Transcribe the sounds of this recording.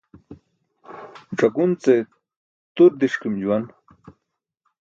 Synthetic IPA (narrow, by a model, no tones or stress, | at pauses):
ʈ͡ʂɐkunt͡se | t̪uɾd̪iʂkimd͡ʑuwan